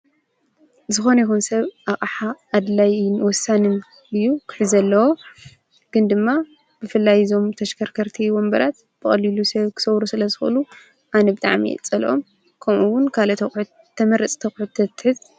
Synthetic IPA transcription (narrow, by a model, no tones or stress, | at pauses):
zɨxo̞nɐjixunsɐβʔaχʼaħaːd̪lajnwɔsanɨm | ɨjːukʰɨ̥ħɨzɐlːɐwo | ɡ̥ɨnd̪ɨmːa | b̥ɨfɨlːajzo̞mt̪ʰɐʃkʰɐɾkʰɐɾt̪ʰiwɔmbɐɾat̪ | b̥ɨxʼɐlilusɐβkʰɨ̥sɐwɾusɨlɐzɨxʔɨ̰lu | ʔanɐbɨt̪ʼaʕmḭɛ̰t͡sʼɐlʔom | kʰɐmuwːʊnkʰalɐɐ | t̪ʰːɐmɐɾɐt͡sʼt̪ʰɐxħʊt̪ʰːɐt̪ːħɨz